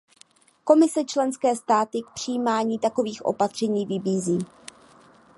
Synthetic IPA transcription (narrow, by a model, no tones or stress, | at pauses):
ko̞mɪsɛt͡ʃlɛnskɛːst̪aːt̪ɪk̚pr̥ɪjiːmaːɲiːt̪ako̞viːxʔo̞̰pat̪r̝̥ɛɲiːvɪbiːziː